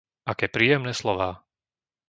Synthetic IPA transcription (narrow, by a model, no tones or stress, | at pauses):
akɛːpɾiːjɛmnɛːslɔʋaː